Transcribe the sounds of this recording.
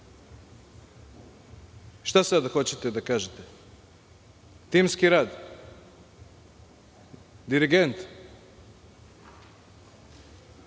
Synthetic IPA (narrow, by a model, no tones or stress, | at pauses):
ʃt̪asad̪axot͡ɕet̪ed̪akaːʒet̪e | t̪imskiɾaːd̪ | d̪iɾiɡent̪